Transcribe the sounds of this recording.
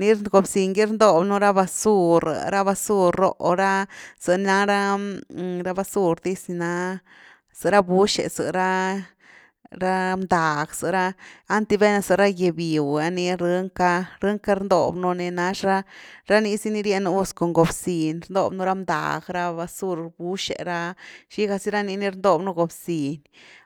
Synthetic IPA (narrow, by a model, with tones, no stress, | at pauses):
ni˧ɾɡo˨bsi˧ŋɡi˦ɾnd̪o˧bnu˧ɾa˦ba˧su˧ɾ̰ɾa˦ba˧su˦ɾo̰˧˦ʔo˨˧ɾa˦z̥ɨ˨˧n˧na˧˦ɾa˦ | ɾa˦ba˧su˦ɾd̪i˦sni˧na˦ | z̥ɨ˧ɾa˦bu˦ʃḛ˨zɨ̰˨ɾa˦ | ɾa˦md̪a˨ɡz̥ɨ˨˦ɾaː˦nt̪i˧be˦na˧zɨ˧ɾa˦je˧bi˨wa˧ni˧ɾɨ˧˦ŋka˧ɾɨ˦ŋka˦ɾnd̪o̰˧bno˧ne˧na˧ʂɾa˦ɾa˦ni˧si˦ni˧ɾje˧n˧u˦sko˨ŋɡo˨bsi˨nɾnd̪o̰˧bnu˧ɾa˦md̪a̰˨ɡɾa˧ba˧su˦˧ɾbu˦ʂḛ˨ɾa˧ʃi˦ɡa˧si˦ɾa˦ni˧ni˧ɾnd̪o˧bnu˧ɡo˨bsi˨n